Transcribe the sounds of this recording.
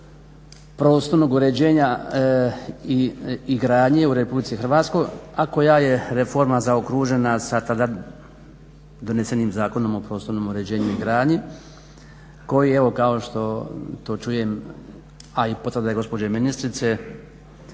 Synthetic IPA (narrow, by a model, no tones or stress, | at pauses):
pɾo̞ːst̪o̞ɾnoɡuɾe̞d͡ʑeːɲa | iiɡɾaːɲeuɾepublit̪sixr̩ʋaːt̪sko̞jako̞jaːje̞ɾe̞fo̞ɾmazaokɾuːʒe̞nasat̪ad̪a | d̪o̞nese̞niːmzaːko̞no̞mo̞pɾo̞ːst̪oɾnoːmuɾe̞d͡ʑe̞ːɲuiɡɾaːɲi | ko̞jie̞ʋo̞kao̞ʃt̪o̞t̪o̞ːt͡ʃuje̞m | aipot̪vərd̪ajeɡo̞spod͡ʑeminist̪ɾit̪se